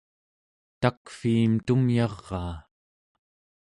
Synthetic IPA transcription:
t̪akfiːmt̪umjɑʁːɑː

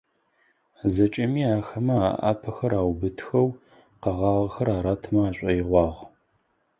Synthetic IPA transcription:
zɐt͡ʃʼɐmiːaːxɐmɐaʔa̰ːpʰɐxɐɾaːwbɨtʰxɐw | qɐʁɑːʁɐxɐɾaːɾaːtʰmɐaːɕʷʼɐjɪʁʷɑːʁ

